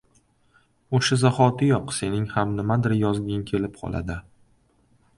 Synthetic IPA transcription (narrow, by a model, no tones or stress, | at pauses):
oʃazaχɒt̪ɪjɒqse̞nɪŋhamnɪmad̪ɪɾjɒzɡʲankʲʰe̞lɪpqʰɒ̰lˠa̰d̪ɪ